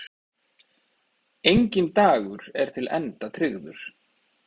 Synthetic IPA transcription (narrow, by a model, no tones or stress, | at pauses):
ejɲcɪnt̪aːɣʏɾ̥ɛɾ̥t̪ʰɪlʔɛ̰nt̪at̪ʰɾɪɣðʏɾ̥